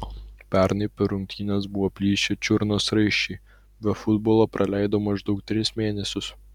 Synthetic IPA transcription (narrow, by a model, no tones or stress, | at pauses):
pʲæɾnɐɪpʲɛɾʊŋʲkʲt̪ʲiːnʲɛs̬bʊʋoːpʲlʲiːʃʲɛt͡ʃʲʊɾnoːsɾɐɪʃʲɛɪ | bʲɛfʊd̪boːlˠoːpɾʔɐlʲæɪd̪oːmɐɪʒd̪ɔʊk̚t̪ʲɾʲɪsmʲeːnʲɛsʲʊs